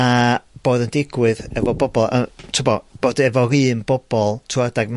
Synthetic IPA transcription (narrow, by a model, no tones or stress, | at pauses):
ab̥oːðəndɪɡwɨðɛvɔbɔbɔlˠətʰʊbɔb̥oːdɛvɔɾɨːnbɔb̥ɔlˠtʰuadaɡm